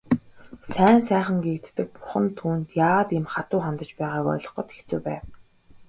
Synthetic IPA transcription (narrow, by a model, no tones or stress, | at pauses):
sæːnsæːχə̆ŋɡekt̪ːɘ̆k̚pʊ̥χə̆nt̪ʰːuːnt̪jaːʁət̪ɪmχat̪ʊːχant̪ə̆t͡ɕpæːʁaːkɔ̰jɮɞ̆χɞ̆t̪xe̥xt͡suːpæːw